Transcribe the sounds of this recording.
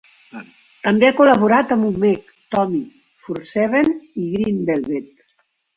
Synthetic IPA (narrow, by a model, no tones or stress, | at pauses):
t̪əmbeakulaβ̞uɾat̪əmumːɛk | t̪ɔmi | fuɾsɛβeniɣɾind̪elβet̪